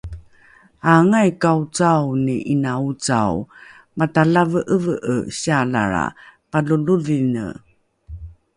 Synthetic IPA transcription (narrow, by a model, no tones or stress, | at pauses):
aŋajkaut͡sawniʔinaut͡sa̰w | mataɮavəʔəvəʔəɕaɮa̰ɾa̰paluluvinə̰